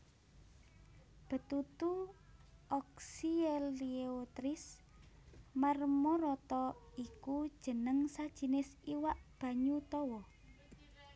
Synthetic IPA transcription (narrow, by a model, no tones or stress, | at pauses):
b̥ə̤t̪ut̪u | ɔksieliot̪ɾis | marmɔɾɔt̪ɔikud̥ʒ̥ə̤nəŋsad̥ʒ̥i̤nɪsiwaʔb̥ä̤ɲut̪ɔwɔ